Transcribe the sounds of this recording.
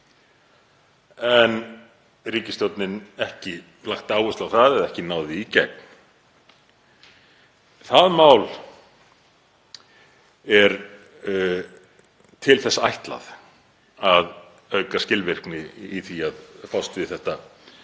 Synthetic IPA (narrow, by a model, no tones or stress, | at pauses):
ɛn | riːcɪst̪jowt̪nɪnɛhcɪ | laxt̪aːwʏst̪lawθaðɛðɛhcɪnaːwðɪicɛ̰k̚n | θaðmaːwl | ɛɾ | t̪ʰɪlθɛsːaajht̪la̰ð | að | œɥkascɪlvɪr̥knɪiθiaðfawst̪ɪθɛht̪a